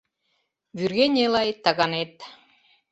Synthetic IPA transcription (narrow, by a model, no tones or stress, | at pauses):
βyrɣenʲelɑjt̪ɑɣɑnet̪̚